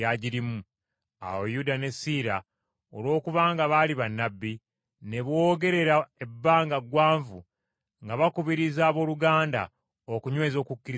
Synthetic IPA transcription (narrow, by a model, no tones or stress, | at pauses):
aɟiɾimu | a̰wojudane̞siːɾa | olo̞ːkuβaːŋɡaβaliβanːabːi | ne̞βwoːɡe̞ɾe̞ɾae̞bːaːŋɡaɡwaːɱvu | ŋɡaβakuβiɾizaːβo̞ːluɡaːnda̰ | okuɲwe̞ːzo̞ːkukːiɾi